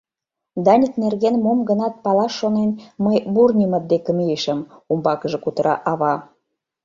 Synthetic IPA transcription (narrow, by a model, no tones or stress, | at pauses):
d̪ɑnʲik̪nerɣenmomɡənɑt̪̚pɑlɑʃːonenməjburnʲimət̪̚d̪ekə̆mieʃə̆mumbɑkəʒɤ̆kut̪əɾɑ̰ʔɑβɑ